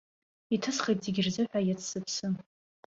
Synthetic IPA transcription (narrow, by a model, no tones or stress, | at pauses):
itʰɨsχejtʰʼzeɡʲɪrzɨħʷᶣajat͡sʰsɨpʰsɨ